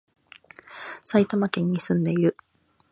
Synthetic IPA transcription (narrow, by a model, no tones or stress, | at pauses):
sait̪amakẽ̞ɲ̟ːisɨ̃nd̪e̞iɾɯ̟